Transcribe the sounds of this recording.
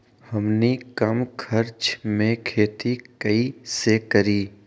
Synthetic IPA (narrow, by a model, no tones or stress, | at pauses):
hɐmnikɐmkʰɐɾt͡ʃmẽkʰeːt̪ikɐisekəɾiː